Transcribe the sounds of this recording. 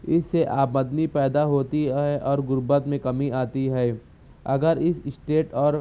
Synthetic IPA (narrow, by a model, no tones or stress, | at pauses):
ɪsːeʔaːbməd̪nipɛːd̪aɦoːt̪iɦɛʔɔːɾɡʊɾbət̪mẽkɐmiaːt̪iɦɛː | ɐɡəɾɪssʈeːʈɔːɾ